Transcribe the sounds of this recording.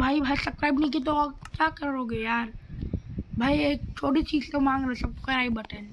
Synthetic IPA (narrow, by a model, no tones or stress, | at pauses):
bʱaːibʱaːisɐpskɾaːɪbnĩk̬it̪okjaːkɐɾoːɡejaːɾ | bʱaːieːk̚t͡ʃʰoːʈit͡ʃiːd͡ʒt̪omãːŋɡɾsɐb̚kɐɾaːibɐʈən